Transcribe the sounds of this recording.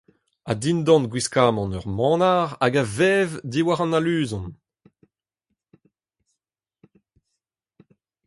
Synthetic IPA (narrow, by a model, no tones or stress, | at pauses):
adind̪ɑ̃nɡwiskaːmɑ̃nœʁmɑ̃ːnaʁaɡavɛvdiwaʁɑ̃nalyːzɔ̃n